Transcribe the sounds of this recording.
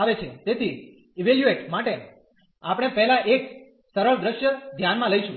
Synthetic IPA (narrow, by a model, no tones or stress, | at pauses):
aʋet͡ʃʰet̪et̪ʰi | iʋeljueʈmaʈe | apɽ̃epɛɦlãʔek | səɾəɭd̪ɾəʃjəd̪ʱjanmãləiʃũ